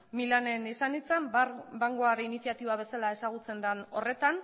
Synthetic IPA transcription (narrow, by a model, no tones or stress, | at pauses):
milane̞nisanit͡sambaŋɡoaɾeinisijat̪iβaβ̞e̞salae̞saɣ̞ut͡se̞nd̪ano̞re̞t̪an